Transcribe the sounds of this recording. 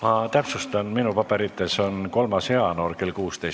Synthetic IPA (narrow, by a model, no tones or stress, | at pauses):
mɑt̪æpsust̪ɑnminupɑb̥e̞ɾit̪ːe̞so̞nko̞lmɑshe̞ɑno̞ːrke̞lkuːst̪ejs